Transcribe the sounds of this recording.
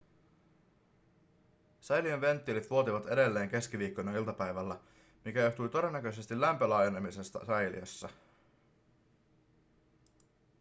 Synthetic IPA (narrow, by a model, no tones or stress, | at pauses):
sɑjlionʋe̞nt̪ːiːlit̪ʋuo̞t̪iʋɑt̪e̞de̞lːe̞ːŋk̟e̞sk̟iʋiːkːojnɑilt̪ɑpæjʋælːæ | mikæjoht̪ujt̪o̞de̞nːækø̞jse̞st̪ilːæmpø̞lɑːjenemise̞st̪ɑ̰sɑjlḭɑ̰sːɑ